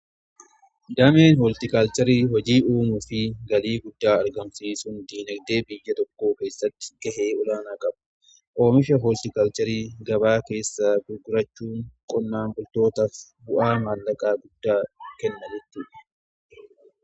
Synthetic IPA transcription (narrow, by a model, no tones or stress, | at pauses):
d̪ɐmeːnhɔlt̪ɪkɐlt̪ɛɾiːhɔd͡ʒiːʔuːmʊfɪɡɐliːɡʊd̪ːaːɐɾɡɐmsiːsʊnd̪iːnɐɡd̪e̞ːbɪjːɐt̪ɔkːo̞ːke̞ːsːɐt̪ːɪ̥ɡ̥ɐɦeːɔlaːnaːkʼɐb | ʔo̞ːmɪʃɐɦoːlt̪ɪkɐlt̪ɛɾiːɡɐbaːke̞ːsːaɡʊɾɡʊɾɐt͡ʃːuːŋkʼɔnːaːnbʊlt̪o̞ːt̪ɐf | bʊʔaːmaːlːɐkʼaːɡʊd̪ːaːkɛnːɐnɪt̪ːɪᶑɛ̥